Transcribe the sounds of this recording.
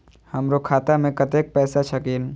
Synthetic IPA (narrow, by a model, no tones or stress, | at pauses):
hɐmɾokʰaːt̪amẽkɐt̪eːk̚pɛːsat͡ʃʰɐkiːn